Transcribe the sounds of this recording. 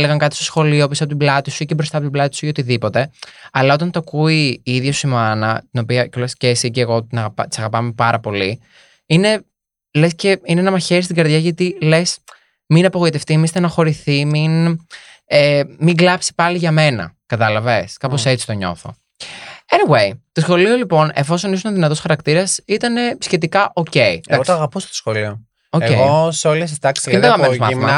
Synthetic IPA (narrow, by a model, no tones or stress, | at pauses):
leɣɐŋkɐt̪i̥stosxo̞lioposɐpot̪iblɐt̪isuicebɾo̞st̪ɐpot̪iblɐt̪i̥sujeot̪iðipo̞t̪e̞ɐlɐo̞t̪ɐnt̪oɐkuiːiðʝosuimoɐnɐ̰t̪ino̞piɐolescesiceːɣo̞t̪inɐɣɐpɐt̪i̥sɐɣɐpɐme̞pɐɾɐpo̞li | ine̞ | lesce̞inenɐmɐçeɾist̪iɡɐɾðʝɐʝɐt̪ile̞s | minɐpoɣo̞it̪e̞ft̪imist̪enɐxo̞ɾiθimin | emiŋɡlɐpsi̥pɐliʝɐme̞nɐ̰kɐt̪ɐlɐveskɐpo̞ssett͡si̥t̪oɲo̞̰θo̞̰ | eniwejt̪osxo̞lio̞lipo̞ne̞fo̞so̞nis̬unɐnðinɐt̪o̞sxɐɾɐkt̪iɾɐsit̪ɐne̞sçe̞t̪ikɐʔo̞ce̞id̪ɐɣokt̪oɐɣɐpost̪osxolio | oceɣosoles̬ist̪ɐkslet̪ɐɣɐmenomɐ̰θimɐ